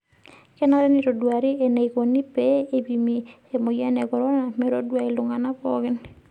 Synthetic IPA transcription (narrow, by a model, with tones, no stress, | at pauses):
kɛ˦na˦ɾɛ˦ni˦ɾo˨dwa˨ɾi˦e˨ne˨jko˨ni˦pe˦e˦bi˨mi | e˨mo˨jɛ˦nɛ˨ɡɔ˨ɾɔ˦na˨mɛ˦ɾo˦dwa˦˨i˨lʊ˨ŋa˨na˦pɔɡɪ˦n